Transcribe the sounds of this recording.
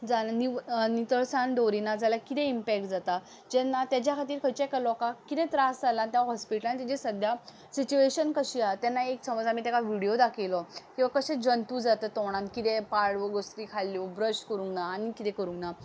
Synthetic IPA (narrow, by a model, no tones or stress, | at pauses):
d͡zanninit̪əɭsanɖ̪oɾinad͡zalakit̪ẽimpɛk̚ʈ̚d͡zat̪a | d͡ʑɛnːat̪jad͡ʑjakʰat̪iːɾkʰəjt͡ɕakalɔkakit̪ɛ̃t̪ɾasd͡zalãnt̪jaaɦɔspiʈəlant̪id͡ʑesəd̪ʱja | sit͡ɕueɕənkəɕiat̪janːaeksəməd͡zamit̪akaʋiɽijod̪akʰelɔkĩʋakəɕẽd͡ʑənt̪ud͡zat̪ət̪ɔɽ̃ãnkit̪epaɽʋəɡosɾikʰalːibɾəɕkəɾũŋɡnaːñikit̪ɛ̃kəɾuŋɡna